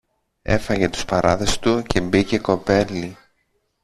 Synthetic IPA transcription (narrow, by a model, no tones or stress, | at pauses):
e̞̰fɐʝe̞t̪u̥spɐɾɐðe̞st̪uce̞bice̞ko̞pe̞li